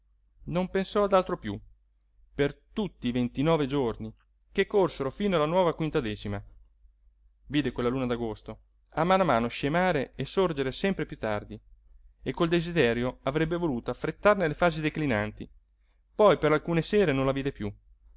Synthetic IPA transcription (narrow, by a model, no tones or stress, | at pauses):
nompensɔad̪alt̪ɾopjṵ | pert̪ut̪ːiːvent̪inɔːved͡ʒorni | kekːorseɾofiːnoalːanwɔːvakwint̪ad̪ɛːt͡ʃima | viːd̪ekwelːaluːnad̪aɡost̪o | amːanamaːnoʃemaːɾeesord͡ʒeɾesɛmpɾepjut̪ːa̰rd̪i | ekːold̪ezid̪ɛːɾjoavɾɛbːevoluːt̪oafɾet̪ːarnelefaːzid̪eklinant̪i | pɔjpeɾalkuːnesɛːɾenõnlaviːd̪epju